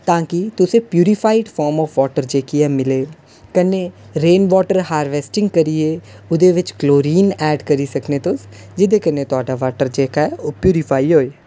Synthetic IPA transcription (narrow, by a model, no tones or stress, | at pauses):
t̪ãːkɪt̪ʊsẽːpjuːɾɪpʰaːɪɖpʰɔːɾmɔːfʋɔːʈəɾd͡ʒeːkiɛːmɪleː | kənːeː | ɾẽːnʋɔːʈəɾhaːɾʋeːsʈɪ̃ŋɡkəɾieːʊd̪eːʋɪt͡ʃkloːɾiːnɛːɖkəɾiːsəkneːt̪ʊs | d͡ʒɪd̪eːkənːet̪ʊaːɖaːʋaːʈəɾd͡ʒeːkaɛopjuːɾɪpʰaːiɦoːeː